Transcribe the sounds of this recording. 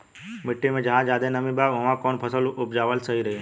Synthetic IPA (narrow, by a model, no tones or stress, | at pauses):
miʈːimẽd͡ʒəɦãd͡ʒad̪ẽnəmĩbaʋəʋãkɔːɳpʰəsəlup̚d͡ʒaʋəlsəɦiɾəɦi